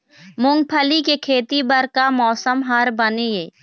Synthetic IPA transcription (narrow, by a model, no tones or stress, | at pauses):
mʊ̃ŋɡ̚pʰəlikekʰeːt̪ibəɾkamɔːsəmɦaːɾbəneeː